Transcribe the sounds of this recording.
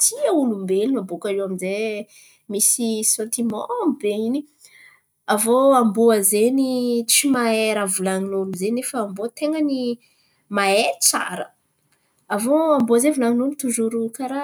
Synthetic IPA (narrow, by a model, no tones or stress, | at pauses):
t̪ʰiaulumbelinambokaɾewamize | misisɔ̃nt̪imɔ̰̃mbeini | avoamboazenit͡simaeɾavulaŋinoamizenefəːmbot̪eŋəni | maet͡sa̰ɾə | avoamboazevulaŋinunit̪uzuɾukaɾa